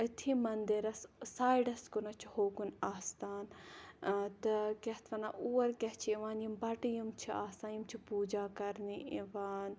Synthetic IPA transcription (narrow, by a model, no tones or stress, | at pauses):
ət̪ʰiːmɐnd̪iɾɐssaːiɖɐskunɐt͡ʃʰi̥hoːkunaːst̪aːn | t̪ɨkʲɐht̪ʰʋɐna̰ʔuːɐɾkʲɐɦt͡ʃʰiiʋaːnjimbɐʈijimt͡ʃʰiaːst̪aːnjimt͡ʃʰipuːd͡ʒaːkɐɾniiʋaːn